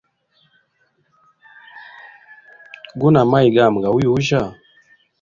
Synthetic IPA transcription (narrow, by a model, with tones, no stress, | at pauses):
ɡu˦na˨ma˦jɡa˦˨m˨ɡa˨wu˦ju˨u˦ʒa˦˨